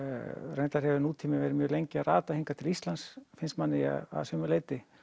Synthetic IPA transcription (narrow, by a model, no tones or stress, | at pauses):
rejnt̪aɾ̥hɛvɪnuːt̪ʰiːmɪvɛːɾɪmjœːɣlejɲcɪaaːt̪ahiŋkat̪ʰɪlist̪lansfɪnst̪manːɪja̰a̰ðsœmʏleːjt̪ɪ